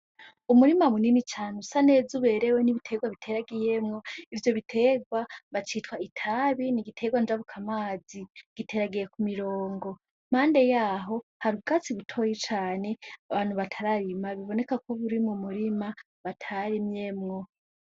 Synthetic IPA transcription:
umuɾimamuninit͡ʃaːnusane̞ːzuβe̞ːɾe̞weniβitʰe̞ɡwaβitʰe̞ɾaɡije̞mŋo̞ivjo̞βitʰe̞ɡwaβat͡ʃitwaitʰaβiniɡitʰe̞ɡwand͡ʒaβukʰamaːziɡ̥itʰe̞ɾaɡije̞kumiɾoːŋɡo̞ | m̥aːnde̞jaːɦo̞haɾuɡat͡siβutʰo̞jit͡ʃaːne̞aβaːn̥huβatʰaɾaɾimaβiβo̞ne̞kakʰoβuɾimumuɾima | βatʰaɾimje̞mŋo̞

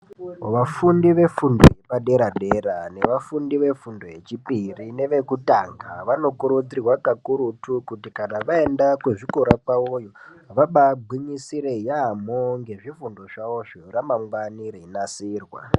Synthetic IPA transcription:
ʋafundiʋe̞fundojepaɗe̞ɾaɗe̞ɾane̞ʋafundiʋe̞fundoɦe̞t͡ʃipirine̞ʋe̞kutaŋɡa̰ʋano̞kuɾud͡zirwakakuɾutukutikanaʋae̞ndakweʐikoɾakaujo | ʋaɓaɡ͡bʱiɲisiɾe̞jamoŋɡe̞ʐifundo̞ʐaoʐoramaŋɡwanireinasiːrwa̰

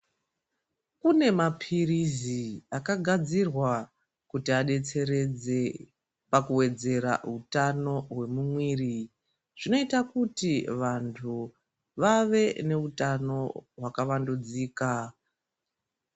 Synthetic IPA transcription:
kune̞mapʰiriziakaɡʱad͡zirwa | kutiaɗe̞t͡se̞ɾe̞d͡ze̞ | pakuwe̞d͡ze̞ɾa̰utano̞ɦwe̞mumwiːri | ʐ̥ino̞itakutiʋantʰu | ʋaʋe̞ne̞utano̞ɦwakaʋandud͡ziːka

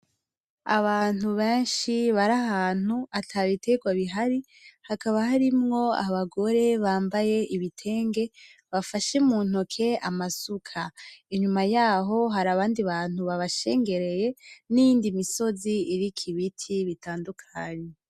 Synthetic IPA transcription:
a̰βaːn̥uβeːnʃiβaɾaɦaːn̥uatʰaβitʰe̞ɡwaβiɦaɾi | hakaβaɦaɾimŋo̞a̰βaɡo̞ɾe̞βaːmbaje̞iβitʰe̞ːŋɡe̞βafaʃemuːn̥hokʰe̞amasukʰaiɲumajaːɦo̞ɦaɾaβaːndiβaːn̥huβaβaʃe̞ːŋɡe̞ɾe̞je̞nijiːndimiso̞ziiɾikʰiβitʰiβitaːndukʰaɲe

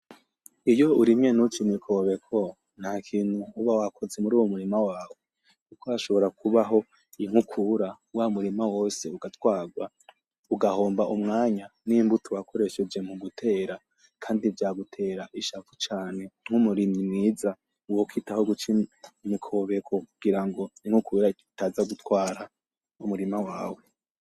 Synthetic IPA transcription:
ijo̞uɾimɲe̞nut͡ʃimikʰo̞βe̞kʰo | n̥hakʰiːn̥huːβawakʰo̞ze̞muɾuːwumuɾimawaːwo | kukoaʃo̞βo̞ɾakuβaɦo̞ | iŋ̥hukʰuɾa | wamuɾimawo̞ːse̞uɡatwaːɡwa | uɡaho̞ːmbaʔumŋaːɲanimbutuwakʰo̞ɾe̞ʃe̞d͡ʒe̞muɡutʰe̞ːɾa | kʰaːndivjaːɡutʰe̞ːɾaʔiʃafut͡ʃaːne̞ŋ̥humuɾimimŋiːza | uwokitahoɡut͡ʃimikʰo̞βe̞kʰo̞kuɡ̥iɾaŋɡo̞iŋ̥hukuɾaitazaɡutwaːɾa | umuɾimawaːwe̞

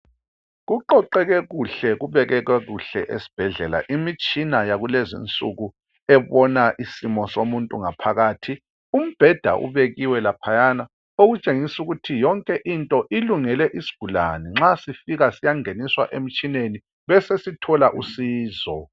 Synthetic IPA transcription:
ɣuǃɔǃɛɣɛɣuɬɛɣuβɛɣɛɣɛɣuɬɛ̰ʔesi̥b̥ʱɛɮɛla̰ʔimit͡ʃʼinajaɣulezḭnt͡sʼuɣu | ɛβɔnaʔisimɔsomuntʼuŋapʰaɣaːtʰi | um̩b̥ʱɛd̥ʱa̰ʔṵβeɣiwɛlapʰajana | oɣut͡ʃʼeŋisuɣutʰijɔŋkʼɛʔintʼɔʔiluŋɛlɛʔisi̥ɡ̥ʱula̰nɛŋ͡ǁasifiɣasijaŋeniswa̰ʔem̩t͡ʃʼineni | βɛsesitʰɔlaʔusiːzɔ

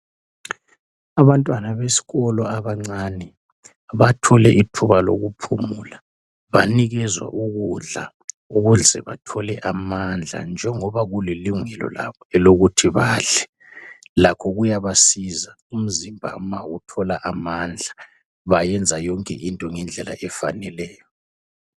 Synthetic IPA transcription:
aβantʼwanaβesi̥ɣɔlɔaβaŋ͡ǀanɛ | βatʰɔlɛʔitʰuβalo̰ɣupʰumula | βaniɣɛzwa̰ʔuɣuɮa̰ | uɣuɮɛ̰βa̰tʰɔlɛʔamand͡ɮʱa̰nd͡ʒʱɛŋɔβaɣuliliŋwɛlɔ̰la̰βɔɛloɣutʰiβaːɬɛ | lakʰɔɣujaβasiza | um̩zimbʱa̰mawutʰɔlaʔamand͡ɮʱa | βajɛnd͡zʱajɔŋkʼɛʔintʼɔŋɛnd͡ɮʱɛla̰ʔɛfa̰nɛlɛːjɔ

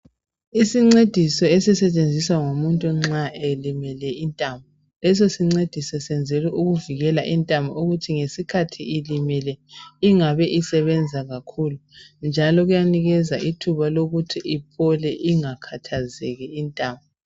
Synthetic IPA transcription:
isiŋ͡ǀed̥ʱisɔesisɛt͡ʃʼend͡zʱiswaŋomuntʼuŋ͡ǁaʔɛlimɛlɛintʼambʱɔ | lɛs̬osiŋ͡ǀed̥ʱisɔsɛnd͡zʱɛliʔuɣuviɣɛlaʔintʼambʱɔuɣutʰiŋesikʰatʰiilimɛlɛiŋaβɛʔisɛβɛnd͡zʱaɣakʰuːlund͡ʒʱalɔɣujaniɣɛzaʔitʰuβaloɣutʰiʔipʰɔlɛʔiŋakʰatʰazɛɣɛintʼaːmbɔ

